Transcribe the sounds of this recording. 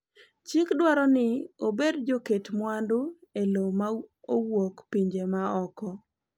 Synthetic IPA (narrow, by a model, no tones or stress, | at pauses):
t͡ʃɪkdwaɾɔnɪobedd͡ʒoketmwandʊelomaowokpiɲd͡ʒemaɔkɔ